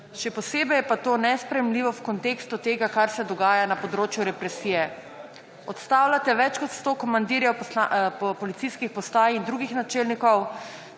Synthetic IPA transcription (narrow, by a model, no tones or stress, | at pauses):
ʃɛpɔseːbɛjɛpat̪oːnɛspɾɛjɛmliʋɔwkɔnt̪eːkst̪ut̪eːɡakaɾsɛd̪ɔɡaːjanapɔd̪ɾoːt͡ʃjuɾɛpɾɛsijɛ | ɔt̪st̪aːwlat̪ɛʋɛt͡ʃkɔt̪st̪oːkɔmand̪iɾjɛwpapɔlit̪siskixpɔst̪aːjind̪ɾuɡixnat͡ʃeːlnikɔw